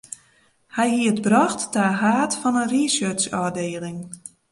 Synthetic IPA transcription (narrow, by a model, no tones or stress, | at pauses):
hɛjɦiətbrɔxtːaːɦaːtfɔnənrisøsɔdeːlɪŋ